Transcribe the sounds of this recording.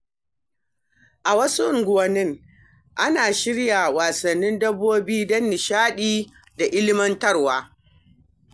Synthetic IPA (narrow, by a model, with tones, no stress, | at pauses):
ʔa˨wɐ˦su˦ʊ˦˨ŋɡʷʊ˨wɐ˨nːɪ˦ŋ | ʔa˦naː˨ʃɪ˦ɽja˨waː˨sɐ˨nːɪ˦ndɐ˦bːoː˦biː˦dɐ˦nːɪ˨ʃaː˦ɗiː˦ | da˨ʔɪ˦lɪ˦mɐ˦ntɐ˦rwaː˦